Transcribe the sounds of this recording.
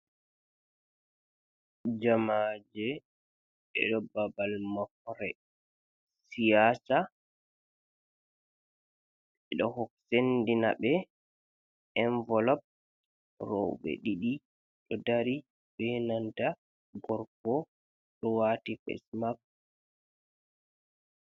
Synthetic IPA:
d͡ʒamad͡ʒɛ | ɛ̰ɗɔbabalmak̚ɔɾɛ | sijaːsa | ɛɗɔhɔksendina̰bɛ | ɛɱvɔlɔp̚ | rɔ̰wɓɛ̰ɗiɗi | ɗɔdaɾi | bɛnanta | ɡɔɾkɔ | ɗɔwaːtifɛ̰smap̚

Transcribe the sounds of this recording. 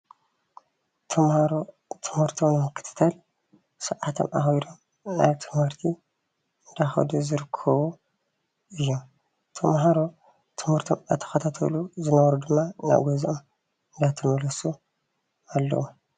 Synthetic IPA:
t̪ʰɐmaɾ | t̪ʰɨmhɨɾt̪ʰownɨmɨkʰːɨ̥t̪ʰɨ̥t̪ʰal | sɐʕat̪ʰo̰mʔaxjd̪o̞m | na̰βt̪ʰɨmhɨɾt̪ʰi | ɨnd̪axɐ̰d̪uzɨɾɨkʰːɐβu | ʔɨjːom | t̪ʰɐmɦaɾo | t̪ʰɨmhɨɾt̪ʰomat̪ʰɐ̥xɐt̪ʰat̪ʰɐ̰luzɨnɐβɐɾud̪ɨmːana̰ɡozʔom | ɨnd̪at̪ʰɐmɐlɐsu | alːɐ̰wu

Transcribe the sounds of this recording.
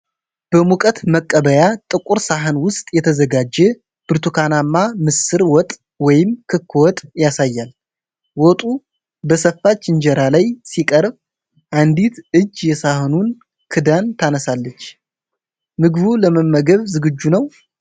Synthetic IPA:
b̥əmukʼət̪məkʼːəβəjat̪ʼɨkʼuɾsaɦɨnwʊst̪ʼjɛt̪ʰəzəɡad͡ʒːɛ | b̥ɨɾt̪ʰukʰanamːamɨsɨɾwɔt̪ʼ | wɔjɪmkʰɨkʰːwɔt̪ʼjasajːal | wɔt̪ʼu | bəsəfːat͡ʃːɪɲd͡ʒɛɾalajsikʼəɾb | ʔand̪it̪ʔɨd͡ʒːjɛsahɨnun | kʰɨd̪ant̪ʰanəsalːət͡ʃː | mɨɡɨβuləməmːəɡəβzɨɡɨd͡ʒːunəw

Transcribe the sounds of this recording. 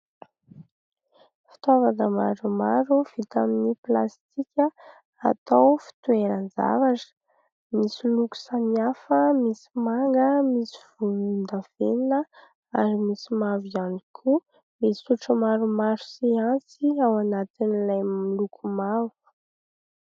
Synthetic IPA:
fi̥t̪avanəma̰ɾumaɾuv̥it̪aminiplast̪ikʲə | a̰t̪awfi̥t̪ueɾənd͡za̰vaʈ͡ʂə̥ | misiluku̥saniafəmisi̥maŋɡəmisi̥v̥ulund̪av̥eninə | aɾimisimavianikʰu | miuʈ͡ʂəmaɾumaɾu̥siant͡siawanat̪inilajmmilukʰumavu̥

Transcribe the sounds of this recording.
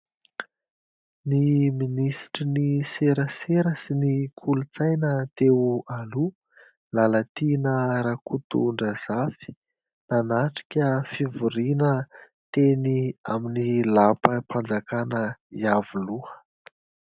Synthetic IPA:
niminisi̥ʈ͡ʂiniseɾəseɾəsinikʰulut͡sajnət̪eualu | lalat̪inəɾakut̪ṵɳɖ͡ʐəz̥afi̥ | nanaʈ͡ʂi̥kʲəfivuɾinə | t̪enia̰minilapəpʰand͡zakanəiavuluə̥

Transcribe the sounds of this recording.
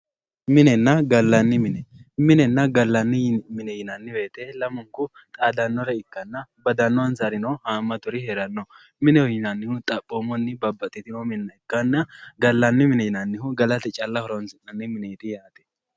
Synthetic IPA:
mɪnɛnːɐɡɐlːɐnːɪmɪnɛmɪnɛnːɐɡɐlːɐnːɪmɪnɛjɪnɐnːɪbe̞ːt̪ɛlɐmʊŋkʊ | t̪ʼaːd̪ɐnːɔɾɐɪkːɐnːɐbɐd̪ɐnːɔwɐnzaɾɪnɔhaːmːɐt̪ʊɾɪheɾɐnːɔ | mɪnɛjɪnɐnːɪhʊt̪ʼɐpʼːomɔnːɪbɐbːɐt̪ʼːɛt̪ɪnɔmɪnɐɪkːɐnːɐɡɐlːɐnːɪmɪnɛjɪnɐnːɪhʊɡɐlɐt̪ɛt͡ʃʼɐlːɐhɔɾɔnsɪnɐnːɪmɪnɛt̪ɪjaːt̪ɛ̥

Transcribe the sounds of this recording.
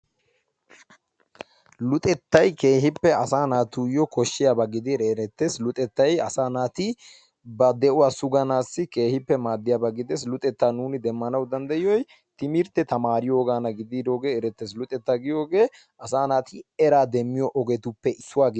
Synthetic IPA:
lʊt̪ʼɛt̪ːɐjke̞ːɦɪpːɛɐsaːnaːt̪ujɔkɔʃːɪjabɐɡɪd̪ɪɾɛːɾɛt̪ːeːslʊt̪ʼɛt̪ːɐjɐsaːnaːt̪ɪ | bɐd̪ɛʔʊwaːsʊɡɐnaːsːɪke̞ːhɪpːɛmaːd̪ːɪjabɐɡɪd̪ɛs̬lʊt̪ʼɛt̪ːaːnuːnɪd̪ɛmːɐnɐwd̪ɐnd̪ɐjɪjɔj | t̪ɪmɪɾt̪ɛt̪ɐmaːɾɪjo̞ːɡaːnɐɡɪd̪iːd̪oːɡe̞ːɛɾɛt̪ːeːs̬lʊt̪ʼɛt̪ːaɡɪjo̞ːɡe̞ː | ʔɐsaːnaːt̪ɪɛɾaːd̪ɛmːɪjɔʔɔɡɛt̪ʊpːɛɪsːʊwaːɡ

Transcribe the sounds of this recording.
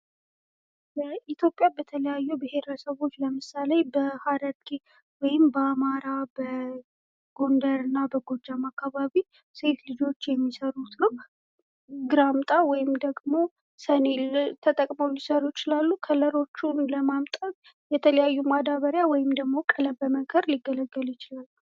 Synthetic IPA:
bəʔit̪ʰjo̞pʼjabət̪ʰələjajːubɪhe̞ɾəsəβo̞t͡ʃːləmɨsalebəhad̪əɾɡi | wɔjɪmbəamaɾabə | ɡ̥o̞nd̪əɾɨnːabəɡo̞d͡ʒamakːaβaβi | se̞t̪lɨd͡ʒo̞t͡ʃːjɛmːisəɾut̪nə | ɡɨɾamt̪ʼawɔjɪmd̪əɡmo̞ | səne̞lt̪ʰət̪ʼəkʼmowlisəɾujɪt͡ʃɪlalːukʰələɾo̞t͡ʃːunləmamt̪ʼət | jɛt̪ʰələjajːumad̪aβəɾjawɔjɪmd̪əɡmo̞kʼələbəməɡəɾliɡːələɡːəljɪt͡ʃɪlalːu

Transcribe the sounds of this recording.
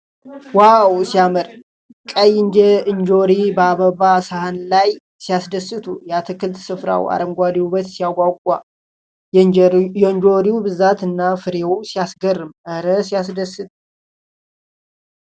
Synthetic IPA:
wawsijaməɾ | kʼəjɪnd͡ʒɛɨnd͡ʒoɾibəaβəβasahanlaj | sijasd̪əsːɨt̪ʰujɛat̪ʰɨkʰɨlt̪sɨfɾa̰wa̰ɾəmɡʷad̪iuβət̪sijaɡʷʼawkʷʼa̰ | jɛɨnd͡ʒoɾiubɨzat̪ɨnːafɨɾewsijasɡərːɨmʔəɾəsijasd̪əsːɨt̪ʰʼ

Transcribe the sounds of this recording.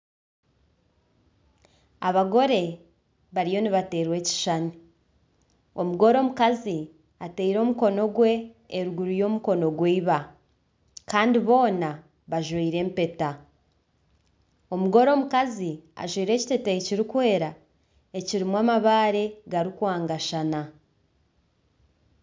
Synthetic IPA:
a̰βaɡo̞ɾe̞ | βaɾijo̞niβate̞ːɾwe̞ːci̥ʃani | o̞muɡo̞ɾo̞ːmukazi | ate̞iɾo̞ːmuko̞no̞ɡwe̞ː | ɾuɡuɾujo̞ːmuko̞no̞ɡweiβa | kaːndiβo̞ːna | βaʒwiːɾe̞ːmpe̞ta | o̞muɡo̞ɾo̞ːmukazia̰ʒwiːɾe̞ːci̥te̞teeciɾikwe̞ːɾa | e̞ciɾimwaːmaβaːɾe̞ɡaɾikwaːŋɡaʃana

